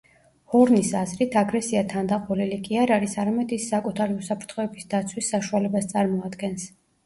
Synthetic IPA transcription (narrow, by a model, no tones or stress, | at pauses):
hɔɾnisazɾit̪ʰaɡɾɛsiat̪ʰand̪aqʼɔlilikʼiaɾaɾisaɾamɛd̪isːakʼut̪ʰaɾiusapʰɾt̪ʰχɔɛbisd̪at̪sʰwisːaʃualɛbast̪sʼaɾmɔad̪ɡɛns